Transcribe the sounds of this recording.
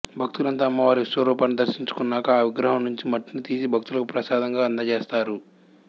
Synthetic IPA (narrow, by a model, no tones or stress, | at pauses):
bʱɐk̚t̪ulɐnt̪aːmːɐʋaːɾiisʋɐɾuːpaːnid̪ɐɾʃiɲt͡ʃu̥kunːaːkaːʋiɡɾɐɦɐmnuɲt͡ʃimɐʈːinit̪iːsibʱɐk̚t̪ulɐkupɾɐsaːd̪ɐŋɡaːɐnd̪ɐt͡ʃeːst̪aːɾu